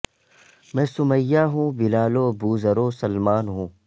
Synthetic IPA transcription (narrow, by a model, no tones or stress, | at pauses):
mɛ̃ːsʊməjːaːɦũːbɪlaːloːbuːzəɾoːsɐlmaːnɦũː